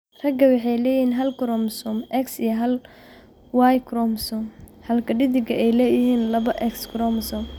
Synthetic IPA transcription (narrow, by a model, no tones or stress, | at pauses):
rɐɡɐwɑħɑjlɛːjiːnɦɐlkʰʊɾɔmsɔmʔɛksijɐɦɐl | wajkʰɾɔmsɔmhɐlkʰɐɖɪðɪɡɐɛjlɛːjɪɦiːnlɐβɐʔɛkskʰɾɔmsɔm